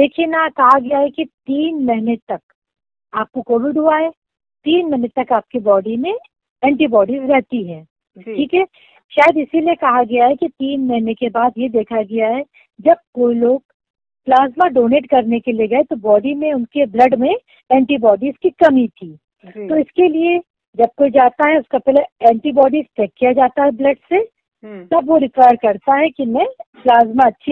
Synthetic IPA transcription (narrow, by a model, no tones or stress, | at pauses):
d̪eːkʰienakɐɦaɡɐjaɦɛkit̪iːnmɛɦɪnet̪ɐk | aːp̚kokoːɾʊɖuaɦɛː | t̪iːnmɛɦnət̪ɐkaːp̚kibɔːɖimẽ | ɛ̃ːɳʈibɔːɖizɾɛɦt̪iɦɛ̃ː | ʈʰiːkɦɛː | ʃaːjəd̪ɪsiliekɐɦaɡɐjaɦɛkit̪iːnmɛɦɪnekebaːd̪jed̪eːkʰaɡɐjaɦɛ | d͡ʒɐb̚koːiloːɡ̚ | plaːzmaɖoːneːʈkɐɾnekelieɡɐet̪obɔːɖimẽʊnkeblɐɖmẽ | ɛ̃ːɳʈibɔːɖizkikɐmit̪ʰiː | t̪oɪskelie | d͡ʒɐb̚koid͡ʒaːt̪aɦɛʊskapɛːləɛ̃ːɳʈibɔːɖisʈɛːkːijad͡ʒaːt̪aɦɛblɐɖse | t̪ɐbʋoɾɪkʋaːjəɾkɐɾt̪aɦɛkimɛ̃plaːzmaɐtːʃʰi